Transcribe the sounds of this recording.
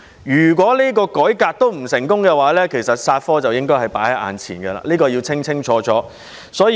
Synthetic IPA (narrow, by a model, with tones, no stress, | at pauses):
jyː˨˩k̬ʷɔː˨˥liː˥k̬ɔː˧kɔː˨˥jkaː˧k̚t̪o˥wm̩˨˩sɪ˨˩ŋkʊ˥ŋkɛ˧waː˨˥lɛː˥kʰe˨˩jsɐ˨t̚saː˧t̚fɔː˥t͡sɐ˨wjɪ˥ŋkɔː˥hɐ˨jpaː˨˥jhɐ˨˥jʔa̰ː˨nt͡sʰḭː˨˩nɡɐ˧la̰ː˧liː˥kɔː˧ji˧wt͡sʰɪ˥ŋt͡sʰɪ˥ŋt͡ʃʰɔː˨˥t͡sɔː˨˥ | sɔː˨˥˨